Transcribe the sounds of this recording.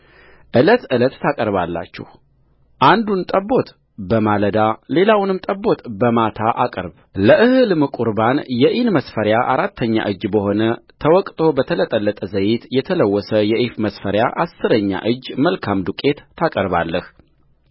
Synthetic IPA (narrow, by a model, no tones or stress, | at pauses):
ʔɨlət̪ɨlət̪ːʰakʼəɾβalːa̰t͡ʃːɛ̰h | ʔand̪unt̪ʼəbo̞t̪ | bəmaləd̪ale̞lawnɨmt̪ʼəbːo̞t̪bəmat̪ʰaʔakʼəɾb | ləʔɨhɨlmɨkʼuɾbanjɛʔinməsfəɾjaʔaɾat̪ʰːəɲːa̰ʔɨd͡ʒbəho̞nət̪ʰəwɔkʼt̪ʰʼo̞bət̪ʰələt̪ʼəlːət̪ʼəzəjɪt̪jɛt̪ʰələwːɔsəjɛʔifməsfəɾjaʔasːɨɾəɲːa̰ʔɨd͡ʒːməlkʰamd̪ukʼe̞t̪ːʰakʼəɾba̰lːəh